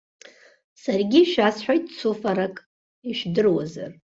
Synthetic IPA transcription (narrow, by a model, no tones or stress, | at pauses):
sarɡʲiʃᶣasħʷᶣajtʼt͡sʰufaɾakʼ | iʃdɨrwaza̰r